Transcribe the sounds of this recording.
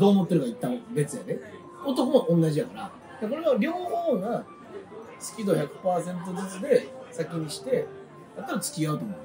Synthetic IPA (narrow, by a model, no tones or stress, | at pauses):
d̪o̞ːmo̞t̪ːeɾɯ̟kait̪ːãbe̞t͡sɨjad̪e | o̞t̪o̞ko̞maʔõ̞nːaʑid̪akaɾa | d̪ako̞ɾe̞βaɾʲo̞ːhoːɡa | t͡sɨ̥kʲid̪o̞çakɯ̟̥paːsẽ̞nt̪̬o̞zɨt͡sɨd̪e̞sakʲiɲ̟iɕi̥t̪e̞ | jat̪ːaɾat͡sɨ̥kʲiaɯ̟t̪o̞mo